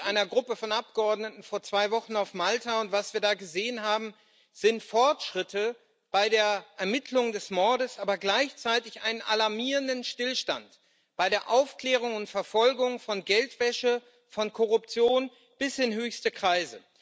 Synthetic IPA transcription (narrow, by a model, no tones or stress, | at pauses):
ʔaɪnɐɡʁʊpəfɔnʔap̚ɡ̥əɔɐdnətn̩foːɐt͡sv̥aɪvɔχn̩aʊfmaltaʊntv̥asv̥iːɐdaːɡəzeːənɦaːbm̩ | z̥ɪntfɔɐtʃʁ̥ɪtə | b̥aɪdeːɐʔɛɐmɪtʰlʊŋdɛsmɔɐɾəsʔaːbɐɡlaɪçt͡saɪtɪçʔaɪnənʔalaɐmiːʁəndənʃtɪlʃta̰nt | b̥aɪɾeːɐʔaʊfkl̥ɛːʁ̞ʊŋʊntfɛɐfɔlɡʊŋfɔnɡɛltv̥ɛʃə | fɔnkʰɔʁʊpt͡sjoːn | b̥ɪshɪnɦøːçstəkʁ̥aɪzə